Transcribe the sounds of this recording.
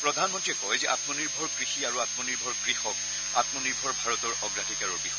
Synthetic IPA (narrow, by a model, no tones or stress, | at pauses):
pɹɔdʱanmɔntɹiɛkɔjzɛʔat̪mɔniɹbʱɔɹkɹixiaɹuat̪̚mɔniɹbʱɔɹkɹixɔk | at̪mɔniɹbʱɔɹbʱaɹɔt̪ɔɹɔɡɹadʱikaɹɔɹbixɔ